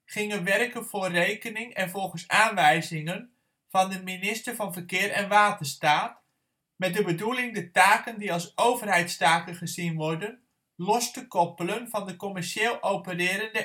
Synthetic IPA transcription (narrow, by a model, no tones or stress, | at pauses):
χɪŋənʋɛrkənv̥ʊːrejkənɪŋɛnvɔlˠχənsaːnʋɛjzɪŋən | v̥ɑndəminɪstərvɑnvəkɪːɾɛnʋaːtəstaːt | mɛt̚dəbədulɪŋdətaːkəndiɑlˠsowvərɦɛjtstaːkənχəzinʋɔɹdən | lɔstəkɔpələnvɑndəkɔmɛɹʃeːlˠʔowpərɪːɾəndə